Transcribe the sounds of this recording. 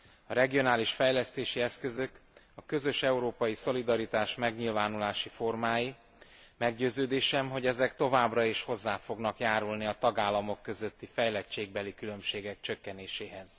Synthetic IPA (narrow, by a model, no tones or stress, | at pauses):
ɒɾɛɡijo̞naːliʃfɛjlɛst̪eːʃiɛskø̞zø̞k | ɒkø̞zø̞ʃɛuɾoːpɒjiso̞lid̪ɒɾit̪aːʃmɛɡɲilvaːnulaːʃifo̞rmaːji | mɛɡɟøːzøːd̪eːʃɛmɦo̞ɟɛzɛkt̪o̞vaːbrɒeːʃho̞zːaːfo̞ɡnɒkjaːɾulniɒt̪ɒɡaːlːɒmo̞kːø̞zø̞t̪ːifɛjlɛt͡ʃeːɡ̚bɛlikylø̞mʃeːɡɛk̚t͡ʃø̞kːɛneːʃeːɦɛz̥